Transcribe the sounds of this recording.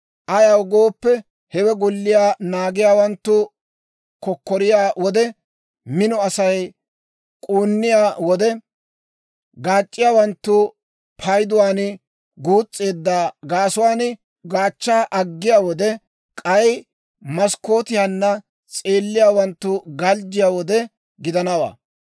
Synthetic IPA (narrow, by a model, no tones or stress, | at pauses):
ʔɐjɐwɡoːpːɛ | hɛwɛɡʊlːɪjaːnaːɡɪjaːwɐnt̪ːʊ | kɔkːɔɾɪjaːwɔd̪ɛ | mɪnɔɐsɐj | kʼuːnːɪjaːwɔd̪ɛ | ɡaːt͡ʃʼːɪjaːwɐnt̪ːʊ | pʰɐjd̪ʊwaːn | ɡuːt͡sʼːe̞ːd̪ːaːɡaːsʊwaːn | ɡaːt͡ʃːaːʔɐɡːɪjaːwɔd̪ɛ | kʼɐj | mɐskːo̞ːt̪ɪjanːɐ | t͡sʼe̞ːlːɪjaːwɐnt̪ːʊɡɐld͡ʒɪjaːwɔd̪ɛ | ɡɪd̪ɐnɐwa̰ː